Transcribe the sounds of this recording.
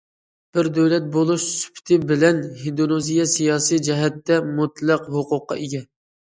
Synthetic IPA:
b̥ɪɾd̪øwlɛt̪̚bolˠuʃsy̥pʰt̪ʰɪbɪlɛnɦid̪onozijɛsijɑːsijd͡ʒɛɦɛt̪ːɛmut̪lˠəqhoqʊqːɑ̰eɡʲɛ

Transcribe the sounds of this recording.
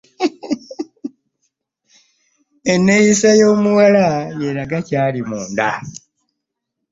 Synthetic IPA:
enːejisajoːmuwalajeɾaɡacaːlimuːnda̰

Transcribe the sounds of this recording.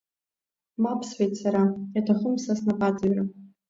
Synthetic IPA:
mapʰsħʷejtʰsaɾajatʰaχʊmsasnapʼad͡zaɥra

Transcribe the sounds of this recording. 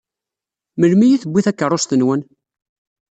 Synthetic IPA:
məlmijiθəbʷːiθækːərˤost̪ənwən

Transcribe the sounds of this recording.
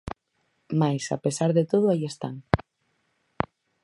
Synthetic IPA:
majsa̰pesaɾðet̪oð̞ʊaiest̪aŋ

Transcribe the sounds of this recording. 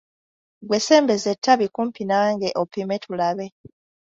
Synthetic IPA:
ɡwe̞se̞ːmbe̞ze̞tːaβikumpinaːŋɡeʔopime̞tʰulaβe̞

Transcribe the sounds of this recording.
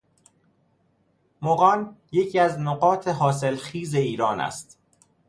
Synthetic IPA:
moɣɒːnje̞cʰiæznoɣɒːt̪ʰeɦɒːs̬e̞lxiːze̞iːɾɒːnæ̰st̪

